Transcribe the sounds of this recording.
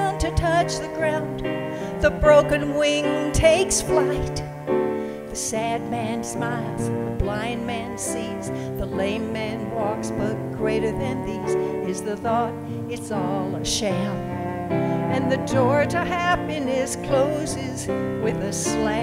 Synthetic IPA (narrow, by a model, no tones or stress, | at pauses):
ntʰɨtʰʌt͡ʃðɨɡɹãʊ̃n | ðəbɹoʊkɨ̃nwɪ̃ŋtʰeɪksflaɪt̚ | ðɨsæd̚mæ̃nsmaɪlˠz̥ðəblãɪ̃nmæ̃nsĩ | z̥ | ðəlẽɪ̃mːæ̃nwɔksbʌt̚ɡ̥ɹeɪɾə˞ðɨ̃nðizɪzðɨθɔɾ | ɨtsɔlˠəʃɛlˠ | ɨ̃nðɨdɔɹɾɨhæpinɨskʰl̥oʊzɪzwɨðɨslæ